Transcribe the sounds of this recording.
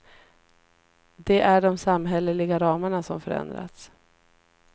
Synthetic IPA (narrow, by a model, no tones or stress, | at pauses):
d̪ɛʔæɖɔmsamɦɛləlɪɡaɾɑːmaɳasɔmfœɾɛ̰nd̪ɾa̰t̪s